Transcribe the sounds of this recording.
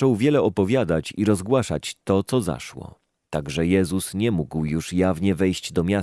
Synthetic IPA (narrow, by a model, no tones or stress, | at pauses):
ɔwvʲjɛlɛɔpɔvʲjad̪at͡ɕiɾɔzɡwaʂa̰t͡ɕt̪ɔt̪sɔza̰ʂwɔ̰ | t̪aɡʐɛjɛzusɲɛmuɡwjuʂjavɲɛvɛjɕd͡ʑd̪ɔmʲa